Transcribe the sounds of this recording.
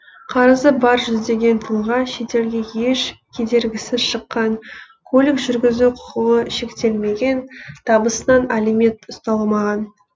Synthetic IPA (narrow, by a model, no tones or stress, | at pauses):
qʰɑɾəzəbɑɾʒʏzd̪e̞ɡʲe̞nt̪ʰəlˠʁɑʃe̞t̪e̞lɡʲe̞je̞ʃkʲʰe̞d̪e̞ɾɡʲɪsɪzʃəqːɑɴ | kʰolʲɪksʒʏɾɡʲɪzuqʰʊ̥qəʁəʃe̞kt̪e̞lme̞ɡʲe̞nt̪ʰɑbəsənɑnæleme̞t̪ʊst̪ɑlˠəmɑʁɑn